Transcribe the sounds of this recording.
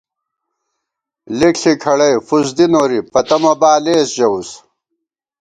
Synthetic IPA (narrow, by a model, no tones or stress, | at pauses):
lekɬikʰɐɽɐjfusd̪inoːɾipɐt̪ɐmɐbaːleːsʑɐus